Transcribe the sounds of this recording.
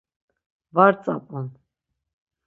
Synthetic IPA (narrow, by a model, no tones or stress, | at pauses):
vaɾt͡sʼa̰pʼɔn